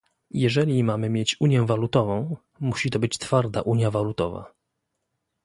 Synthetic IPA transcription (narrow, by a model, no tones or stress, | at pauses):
jɛʐɛlʲimamɘmʲjet͡ɕuɲjɛ̃valut̪ɔvɔ̃w̃ | muɕit̪ɔbɘt͡ɕt̪faɾd̪a̰ʔuɲjavalut̪ɔva̰